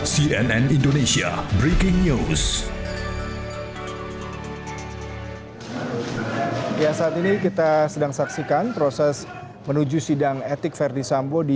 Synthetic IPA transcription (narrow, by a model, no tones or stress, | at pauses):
siɛnɛnindonesia̰bɾikɪŋɲus | jasaat̪inikit̪asədaŋsaksikanpɾosɛs | mənud͡ʒusidaŋet̪ɪkfɛrdisambodi